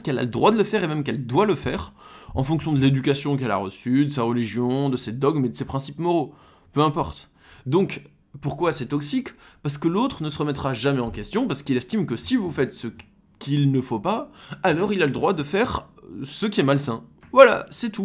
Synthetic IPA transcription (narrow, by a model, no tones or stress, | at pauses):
skɛla̰ləd̪ʁwad̪ələfɛʁemɛmkɛld̪waləfɛːʁɑ̃fɔ̃ksjɔ̃d̪əled̪ykasjɔ̃k̬ɛla̰ʁəsyd̪əsaʁəliʒjɔ̃d̪əsed̪ɔɡmed̪əsepχɛ̃sipmɔʁo | pøɛ̃pɔʁt̪ | d̪ɔ̃k | puʁkwasɛt̪ɔksikpaʁs̬ə̥kəlot̪χənəsəʁəmɛt̪χaʒamɛɑ̃kʲɛst̪jɔ̃paʁsə̥kilɛst̪imkəsivufɛt̪sə | kʲʰilnəfopaːlɔʁilaləd̪ʁwad̪əfɛʁsəkʲiɛmalsɛ̃vwala̰sɛt̪u